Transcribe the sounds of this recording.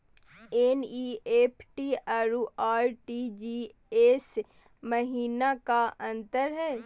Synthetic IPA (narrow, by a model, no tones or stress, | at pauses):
eniːeːpʰʈiaːɾuʔaːɾʈid͡ʒiː | eːs | mɐɦiːnakaɐ̃nt̪əɾɦɛː